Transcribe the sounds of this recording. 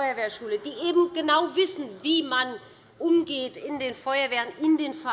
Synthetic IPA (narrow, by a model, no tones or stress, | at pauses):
ʏɐveːɐʃuːlədiːʔeːbm̩ɡ̥ənaʊvɪsn̩viːman | ʔʊmɡeːtɪndeːnfɔʏɐveːʁənʔɪndeːnfa